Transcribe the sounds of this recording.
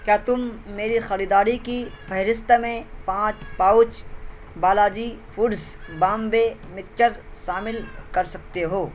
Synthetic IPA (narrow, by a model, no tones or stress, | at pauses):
kjaːt̪ʊmːeːɾixɐɾiːd̪aːɾikifʰɛɦɾɪst̪mẽpãːt͡ʃpaːʊt͡ʃ | baːlaːd͡ʒifʰʊɖsbaːmbemɪkt͡ʃəɾʃaːmɪlkɐɾsɐk̚t̪eɦoː